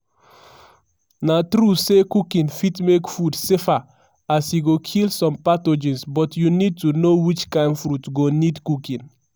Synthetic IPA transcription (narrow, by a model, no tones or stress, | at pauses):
natɾusekukĩnfitmekfudsefa | asjiɡokʰilsɔ̃mpatod͡ʒĩnsbɔtjunid̚tunowit͡ʃkãɪ̃nfɾutɡonidkukĩn